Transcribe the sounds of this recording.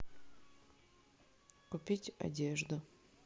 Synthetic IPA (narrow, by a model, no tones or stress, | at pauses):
kʊpʲitʲa̰dʲeʐd̪ʊ